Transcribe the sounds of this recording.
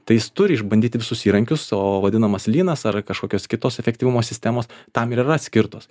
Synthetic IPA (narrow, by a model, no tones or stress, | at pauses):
t̪ɐɪjɪst̪ʊɾʲɪɪʒbɐnd̪ʲiːt̪ʲɪʋʲɪsʊsiːɾɐŋʲkʲʊsoːʋɐdʲɪnɐmɐslʲiːnɐsɐrkɐʃkoːkʲoːskʲɪt̪oːsɛfʲɛktʲiʋʊmoːsʲɪsʲt̪ʲæːmoːst̪ɐmɪɾirɐt̪sʲkʲɪɾt̪oːs